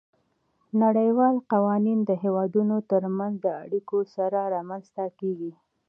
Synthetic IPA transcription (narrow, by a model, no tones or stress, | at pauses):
naɽəjwɑlqawɑnind̪əɦewɑd̪unot̪əɾmanzd̪əa̰ɽikosaɾaɾɑmanzt̪akeɡi